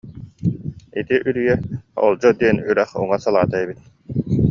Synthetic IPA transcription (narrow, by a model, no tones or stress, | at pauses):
it̪iʔyɾyjɛɔ̰lˠd͡ʑɔd̪iɛnyɾæχṵŋasalˠaːt̪aɛbit̪̚